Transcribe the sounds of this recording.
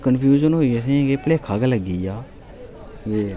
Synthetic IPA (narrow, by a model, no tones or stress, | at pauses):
kənpʰjuːd͡ʒənɦoːiːəsĩːɡeːpleːkʰaːɡeləɡiːaː | ʋeː